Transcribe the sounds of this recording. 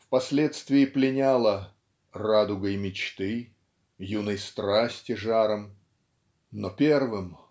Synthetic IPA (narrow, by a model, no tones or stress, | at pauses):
fpɐsʲlʲet̪st̪vʲɪɪplʲɪnʲalˠə | rad̪ʊɡəjmʲɪt͡ɕt̪ɨ | junəjst̪ɾasʲtʲɪʐaɾəm | nopʲervɨm